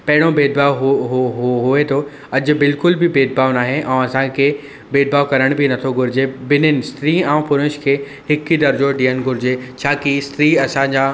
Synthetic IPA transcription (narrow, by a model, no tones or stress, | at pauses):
pɐɦɪɽ̃obeːd̪̚baːoɦɦɦɦʊet̪ʰo | ɐd͡ʑʊ̆bɪlkʊlbɪbeːd̪̚baːʊnaːɦeʔɛ̃ːɐsãkʰe | beːd̪̚baːokɐɾəɽ̃binɐt̪ʰoɡʱʊɾɪd͡ʑebɪnɪnɪ̆st̪ɾiːãːpʊɾʊʃkʰeː | hɪkid̪ɐɾd͡ʑoɖiːənɡʱʊɾɪd͡ʑet͡ɕʰaːkist̪ɾiːɐsãːɲd͡ʑaː